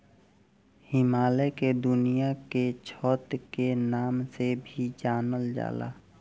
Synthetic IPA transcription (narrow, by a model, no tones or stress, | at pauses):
hɪmaːleked̪ʊnijaket͡ʃʰɔːt̪kenaːmsebʱid͡ʒaːnəld͡ʒa̰ːla̰ː